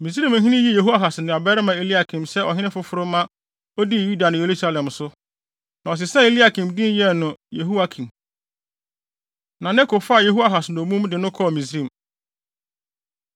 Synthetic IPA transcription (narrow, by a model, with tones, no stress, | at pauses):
mĩ˨s̬ɾĩ˦m˨˦ɦĩ˦nɪ̃˦ji˦je˨ɦu˦a˦ɦa˨sɪ˨nʊ̃˨a˨bɛ˦ɾɪ˦mã˨e˦li˦a˨kʰɪ̃˨msɛ˦ʔɔ˨ɦɪ̃˦nɪ̃˦fʊ˦fʊ˦ɾʊ˦mã˦ | ɔ˦di˦˨ju˦da˨nʊ̃˨je˨ɾu˦sa˦lɛ̃˨msʊ˦ | nã˨ɔ˨s̬ɪ˨sɛ̃˦e˦li˦a˦˨kʰĩ˨mdɪ̃˦n˦jɛ˦˨nʊ̃˨je˨ɦu˦a˦kʰĩ˨m | nã˨nɛ˦kʰo˨fa˦˨je˦ɦu˦a˨ɦa˨sɪ˨nʊ̃˨mũ˦mdɪ˨nʊ̃˦kʰɔ˦˨mĩ˨s̬ɾĩ˦˨m